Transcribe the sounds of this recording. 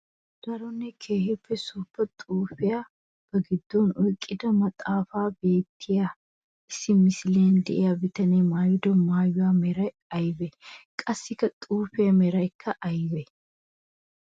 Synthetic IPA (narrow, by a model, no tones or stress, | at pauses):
d̪̥ɐɾɔnːɛkʰeːhɪpːɛsʊːbːɐt̪ʼuːfɪja | b̥ɐɡɪd̪ːɔnɔjkʼːɪd̪ɐmɐt̪ʼaːfaːbe̞ːt̪ʰːɪja | ʔɪsːɪmɪsɪleːnd̪ɛʔɪjabɪt̪ɐnemaːjʊd̪ɔmaːjʊwaːmɛɾɐj | ɐjbɛkʼɐsːɪkːɐt̪ʼuːfɪjɐmɛɾɐjkʰːɐʔɐjbɛ